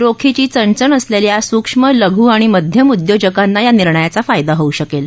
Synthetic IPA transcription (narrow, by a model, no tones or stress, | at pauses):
ɾokʰit͡ɕiːt͡səɳt͡səɳəsleljasukʂmələɡʱuːaɽ̃iməd̪ʱjəmud̪jod͡ʑəkanːajaniɾɳəjat͡safajd̪aɦouɕəkel